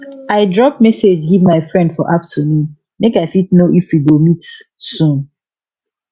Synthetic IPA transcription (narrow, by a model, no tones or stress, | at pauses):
aɪdɹɔp̚mɛsed͡ʒɡivmaɪfɹɛ̃ndfɔ̰ʔaftʰənũn | mekaɪfitnoʔifwiɡomitsũn